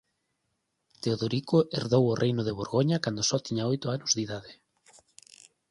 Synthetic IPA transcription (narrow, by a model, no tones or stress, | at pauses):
t̪eoðoɾikoʔeɾðowʊrʔejnʊð̞eβ̞oɾɣoɲakand̪osɔt̪iɲaojt̪ʊanʊzðiðaðɪ